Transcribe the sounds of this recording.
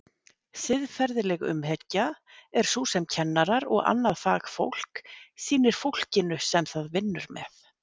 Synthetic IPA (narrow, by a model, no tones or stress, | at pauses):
sɪðfɛɾðɪlɛɣʏ̰mɦɛcːa | ɛɾ̥suːsɛmcʰɛnːaɾaɾɔ̰ɣa̰nːaðfa̰ːɣfo̰wl̥ksiːnɪɾ̥fowl̥cɪnʏsɛmθaðvɪnːʏɾmɛ̰θ